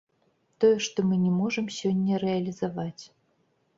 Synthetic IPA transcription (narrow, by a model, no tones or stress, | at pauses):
t̪ɔjɛʂt̪ɔmɨnʲɛmɔʐɨmsʲɔnʲːɐɾɛɐlʲizavat͡sʲ